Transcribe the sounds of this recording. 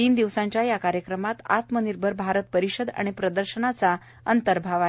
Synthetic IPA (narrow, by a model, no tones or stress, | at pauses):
t̪iːnd̪iʋsãɲt͡ɕjajakaɾjəkɾəmat̪a̰t̪məniɾbʱəɾbʱaɾət̪̚pəɾiɕəd̪a̰ɽ̃ipɾəd̪əɾɕəɳat͡sa | ənt̪əɾbʱaʋae